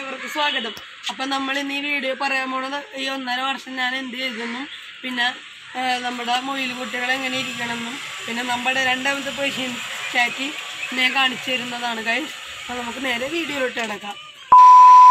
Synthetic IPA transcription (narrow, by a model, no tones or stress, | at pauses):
iʋɐrkːɨswaːɡɐðɐm | ɐpːoːnɐmːɐɭenːiʋiːɽopɐrɐjaːmoːɳːɐnionːɐɾɐʋɐrʂɐmɲaːne̞nd̪ɨt͡ɕe̞jitːunːum | pinːe̞ | nɐmːuɽemojilɨkuʈːiɣɐɭe̞ŋːɐnejiɾikʲːɐɳɐmenːumpinːe̞nɐmːɐɽeɾe̞ɳɖajmɐt̪̬ːɨp̬oɕiɐnt͡ɕaːkːinːekaːɳit͡ɕːuʋɐɾunːɐðaːɳɨkɐjs | ɐpːoːnɐmukːɨne̞ːɾe̞ʋiːɽijoloʈːeɐɽɐkːaːm